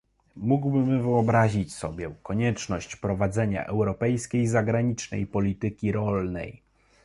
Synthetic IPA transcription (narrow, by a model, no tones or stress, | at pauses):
muɡwbɘmvɘɔbɾaʑit͡ɕsɔbʲjɛkɔɲɛt͡ʂnɔɕt͡ɕpɾɔvad̪zɛɲa̰ʔɛwɾɔpɛjskʲejzaɡɾaɲit͡ʂnɛ̰jpɔlʲit̪ɘkʲiɾɔlnɛ̰j